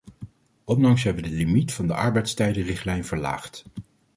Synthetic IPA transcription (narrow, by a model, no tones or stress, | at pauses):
ɔnlɑŋsɦɛbəʋədəlimitfɑndəʔɑɹbɛjtstɛjdərɪχtlɛjnv̥əɹla̰ːχt